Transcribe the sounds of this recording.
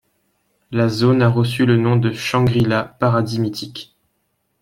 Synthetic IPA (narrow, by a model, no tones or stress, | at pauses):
lazonaʁəs̬ylənɔ̃d̪əʃɑ̃ɡʁilapaʁad̪imit̪ʰik